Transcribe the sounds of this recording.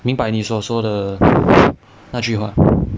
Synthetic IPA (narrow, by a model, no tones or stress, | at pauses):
miŋpaɪniswɔswɔd̪ə | nat͡ɕyxwa̰